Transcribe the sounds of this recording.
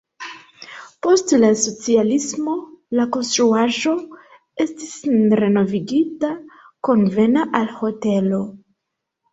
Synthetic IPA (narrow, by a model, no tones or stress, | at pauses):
po̞stlaso̞t͡sialismo̞lako̞nstɾuaʒo̞ | e̞stisɾe̞no̞viɡita | ko̞nve̞naʔalho̞te̞lo̞